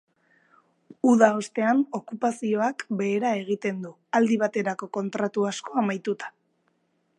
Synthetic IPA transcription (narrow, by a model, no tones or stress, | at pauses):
uðao̞st̪e̞ano̞kupasio̞akbe̞ːɾae̞ɣ̞it̪e̞nd̪u | ald̪iβ̞at̪e̞ɾako̞ko̞nt̪ɾat̪uasko̞amajt̪ut̪ḁ